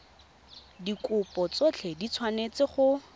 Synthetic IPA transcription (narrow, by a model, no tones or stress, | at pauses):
dikʊpʼɔt͡sot͡ɬʰedit͡sʰwanet͡sɪχʊ